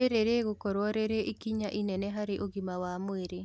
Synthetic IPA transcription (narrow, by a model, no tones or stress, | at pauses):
eɾeɾeɣokɔɾwɔɾeɾeʔikiɲaʔinɛnɛɦaɾeʔoɣimawamweɾe